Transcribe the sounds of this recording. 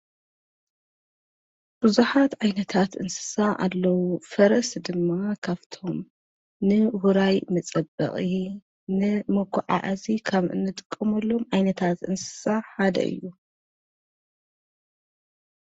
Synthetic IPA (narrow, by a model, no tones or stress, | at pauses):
b̥ɨzuħat̪ʕajnɐt̪ʰat̪ʔɨ̰nsɨ̥saʔa̰lːɐwufɐɾɐsd̪ɨmːaakʰaβt̪ʰo̞m | nɨwuɾajmɐt͡sʼɐbɐ̰χʼi | nɨmɐɡʷʰɔʕa̰ʔazikʰaβɨ̰nːɨt̪ʼɨ̥kʼːɐmɐlːo̞mʕajnɐt̪ʰat̪ʔɨ̰nsɨ̥saħad̪ɐ̰ʔɨ̰jːu